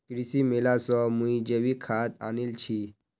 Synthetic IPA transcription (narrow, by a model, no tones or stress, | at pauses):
kɾisimelasɔmũid͡ʑəʋikʰat̪̚a̰nilt͡ɕʰi